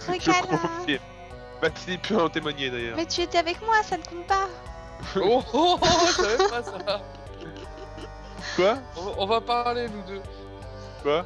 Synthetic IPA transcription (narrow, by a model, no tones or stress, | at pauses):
ʁəkalɔi | vazipʰyɑ̃t̪emwaɲed̪ɛʁjœ̰ːʁmɛt̪yet̪eavɛkmwasanəkɔ̃pa | o | avɛpasa | kwaɔ̃vaɔ̃vapaʁlenud̪ø | kwa